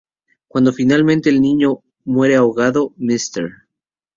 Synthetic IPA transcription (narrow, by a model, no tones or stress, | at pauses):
kwand̪o̞finalmẽnt̪e̞ːlnĩɲo̞ | mwe̞ɾe̞aoɣaðo̞mist̪ḛɾ